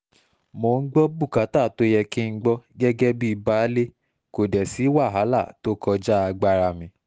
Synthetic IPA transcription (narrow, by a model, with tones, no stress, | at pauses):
mo˨˧˨ŋ̩˦ɡ͡bɔ˦bu˦˨ka˨˦ta˦˨to˧jɛ˧kĩ˦ŋ̩˦ɡ͡bɔ˦ɡɛ˦ɡɛ˦bi˦i˧ba˦le˦ | ko˨dɛ˨si˨˦wa˦˨ɦa˨˦la˦˨to˦kɔ˧d͡ʒa˦a˧ɡ͡ba˧ɾa˧˨mĩ˧˦